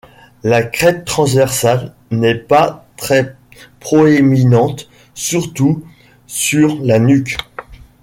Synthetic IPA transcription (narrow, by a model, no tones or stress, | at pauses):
lakχɛt̪ːχɑ̃svɛʁsal | nɛpat̪χɛ | pχɔeminɑ̃t̪ | syʁt̪u | syʁlanyk